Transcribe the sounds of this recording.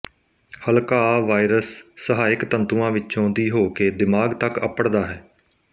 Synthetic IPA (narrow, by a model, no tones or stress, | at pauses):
həlkaːʋaːɪɾəsːəɦaːɪkt̪ənt̪uːãːʋɪt͡ʃõːd̪iːɦoːkeːd̪ɪmaːɡt̪əkə̰pəɽd̪aːɦɛː